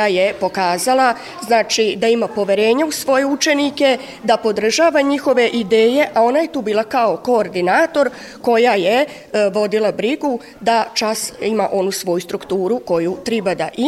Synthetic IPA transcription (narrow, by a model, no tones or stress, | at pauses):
aje̞po̞kaːzalˠa | znaːt͡ʃid̪aimapo̞ʋje̞ɾe̞ːɲausʋo̞je̞ut͡ʃe̞nike̞ | d̪apo̞d̪r̩ʒaːʋaɲixo̞ʋe̞ʔid̪eːje̞ʔao̞naje̞t̪uːbiːlˠakao̞ko̞ːɾd̪inaːt̪o̞ɾ | ko̞jaje | ʋo̞d̪ilˠabɾiɡu | d̪at͡ʃasimaʔo̞nusʋo̞just̪ɾukt̪uːɾuko̞jut̪ɾibad̪a̰ʔi